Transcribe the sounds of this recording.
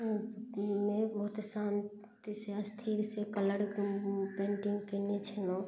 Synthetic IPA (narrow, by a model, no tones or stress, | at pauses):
mẽbɐɦʊt̪saːn | t̪iseɐst̪ʰiːɾsekələɽpẽːɳʈɪ̃ŋɡkenet͡ʃʰelõ